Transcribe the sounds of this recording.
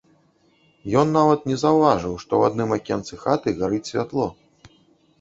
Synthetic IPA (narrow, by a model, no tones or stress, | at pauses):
jɔnːavɐt̪nʲɛzɐwvaʐɨwʂt̪ɔwad̪nɨmakʲɛnt̪sɨxat̪ɨɣaɾɨt͡sʲsʲvʲat̪lˠɔ